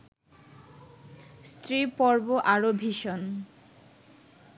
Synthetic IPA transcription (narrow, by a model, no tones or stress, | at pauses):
st̪ɾipɔɾboʔaɾobʱiʃon